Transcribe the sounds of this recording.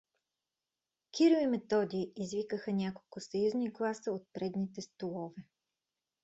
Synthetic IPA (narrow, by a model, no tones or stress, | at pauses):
kʲiɾoimɛt̪ɔd̪ʲiiːzvikəxənʲakolˠkʊsɐjuzniɡlˠasəot̪̚pɾɛd̪nit̪ɛst̪olˠɔvɛ